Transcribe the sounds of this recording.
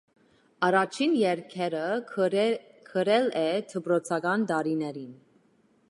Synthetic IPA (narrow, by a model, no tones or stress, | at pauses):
ɑrɑt͡ʃʰinjɛɾkʰɛɾə | kʰəɾɛlɛt̪ʰəbɾɔt͡sʰɑɡɑnt̪ɑɾinɛɾin